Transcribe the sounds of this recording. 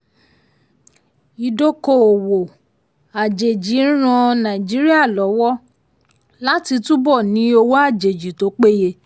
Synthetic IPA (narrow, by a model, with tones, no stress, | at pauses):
i˧do˦ko˦˨o˨wo˨ | a˨d͡ʒe˨d͡ʒĩ˨˦ɾ̃ã˧nã˨i˨d͡ʒi˨˦ɾi˦a˦˨lɔ˨˦wɔ˦ | la˦ti˧tũ˦bɔ˦˨nĩ˨˦o˧wo˦a˦˨d͡ʒe˨d͡ʒi˨to˨˦k͡pe˦je˧